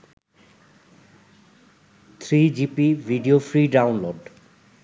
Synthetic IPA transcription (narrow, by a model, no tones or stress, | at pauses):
t̪ʰɾid͡ʑipivʱiɖiofɾiɖawnloɖ